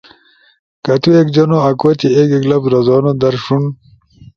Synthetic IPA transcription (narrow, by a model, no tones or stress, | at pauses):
kɐt̪uekd͡ʑɐnoɐkwot̪iekeɡlɐpɾɐzɑːnod̪ɐɾʂun